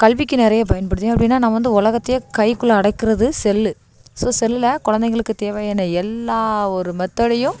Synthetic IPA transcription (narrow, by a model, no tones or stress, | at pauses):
kɐɭʋɪkːɯnɪɾɐjɐp̬ɐjɐnpɐɽɯt̪ːẽːɐpːɐɽɪnːaːnãːʋɐnd̪ɯʊlɐɣɐt̪ːɪjɐkɐɪkːɯɭːɐːɽɐɪkːɪɾɐðɯsɛlːɯ | soːsɛlːɯlɐkɔɻɐnd̪ɐɛɣɡɐɭɯkːɯt̪eːʋɐjɐnːɐɛlːaːɔɾɯmɐt̪ːɐɽɐjɯ̃m